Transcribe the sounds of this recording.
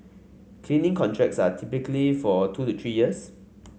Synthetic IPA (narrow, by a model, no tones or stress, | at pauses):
kʰlĩnĩŋkʰɔ̃ntʰɹɛk̚tsatʰipikəlifɔtʰutut̪ʰɹijiəs